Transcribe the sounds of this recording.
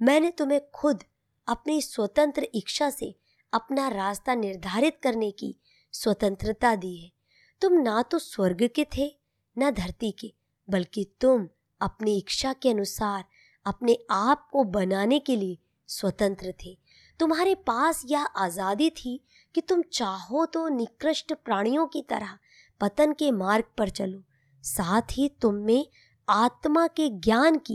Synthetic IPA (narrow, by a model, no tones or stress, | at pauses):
mɛ̃ːnet̪ʊm̤ẽkʰʊd̪ | ɐpniswɐt̪ə̃nt̪ɾəʔɪkʃasḛ | ɐpnaɾaːst̪anɪɾd̪ʱaːɾɪt̪kɐɾnekḭ | swɐt̪ə̃nt̪ɾət̪ad̪iːɦɛː | t̪ʊmnat̪oswɐɾɡket̪ʰe | nad̪ʱɐɾt̪ike | bɐlkit̪ʊm | ɐpniɪkʃakeɐnʊsaːɾ | ɐpneaːp̚kobɐnaːnekelie | swɐt̪ə̃nt̪ɾət̪ʰeː | t̪ʊmɦaːɾepaːsjaʔaːzaːd̪it̪ʰi | kit̪ʊmt͡ʃaːɦõt̪onɪkɾəʃʈpɾaːɽ̃ijõkit̪ɐ̰ɾə | pɐt̪ənkemaːɾɡ̚pɐɾt͡ʃɐloː | saːt̪ʰɦit̪ʊmːẽ | aːt̪makeɡjaːnki